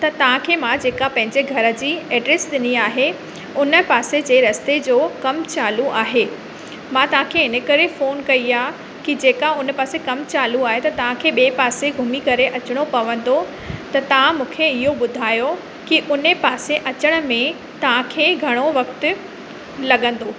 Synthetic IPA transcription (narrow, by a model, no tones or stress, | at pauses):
t̪ɐt̪ɐʋ̤ãkʰeːmãd͡ʑeːkapɐ̃ɦɪ̃ɲd͡ʑeɡʱɐɾə̆d͡ʑiːɛːɖɾesɗɪniaːɦe | ʊnə̆paːsed͡ʑeːɾɐst̪ed͡ʑoːkɐmt͡ɕaːluʔaːɦeː | mãt̪ɐʋ̤ãkʰeɪnə̆kɐɾefoːnkɐiaː | kid͡ʑeːkaʊnəpaːsekɐmt͡ɕaːluaːɦet̪ɐt̪ɐʋ̤ãkʰeːɓeːpaːseɡʱʊmikɐɾeʔɐt͡ɕɪɽ̃opɐʋə̃nd̪o | t̪ɐt̪ɐʋ̤ãmũːkʰeɪɦoɓʊd̪ʱaːjo | kiʔʊnəpaːseʔɐt͡ɕəɽ̃ʊ̆mẽ | t̪ɐʋ̤ãkʰeːɡʱɐɽ̃oʋɐkt̪ɪ̆ | lɐɠə̃n̆d̪oː